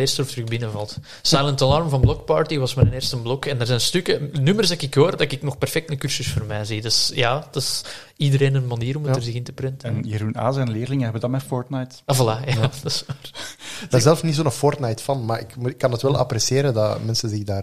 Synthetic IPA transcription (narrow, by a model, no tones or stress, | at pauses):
eːrstəɔft̪rʏxbɪnəvɑlˠt | sajləntɑlɑrmvɑnblɔk̚pɑːɹtiʋɑsmaɾəneːrstəmblɔkɛndərzɛːnəstʏkənymərsɛkɪkɦoːɾədɑkɪknɔxpɛrfɛk̚tnəkyrsʏsfoːrmɛːzidɑsjaːdɪs | idəɾeːnənmɑniːɾɔmətərzɪɣɪntəprɛntəɛnjiɾuna̰ːzɛnlɪːrlɪŋəɦɛbədɑmɛfɔɹtnajtavɑlaːjad̥ɑsʋaːrdazɛləfsnitsoːnəfɔrtnajtfɑnmaːɾɪ̰kmukːɑnətʋɛlˠʔɑ̰pɾɛsjeːɾədɑ̰mɛnsənzɪɣdaːr